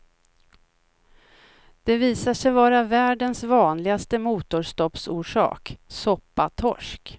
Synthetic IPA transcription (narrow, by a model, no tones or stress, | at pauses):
d̪̥ɛviːsaʂɛjvɑːɾavæːɖənsvɑːnlɪɡast̪əmuːt̪ʊʂt̪ɔpsuːʂɑ̰ːksɔpːat̪ʰɔ̰ʂk